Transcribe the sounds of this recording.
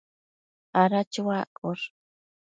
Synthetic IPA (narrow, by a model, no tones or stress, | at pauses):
aɾat͡ʃwakʼʊɾ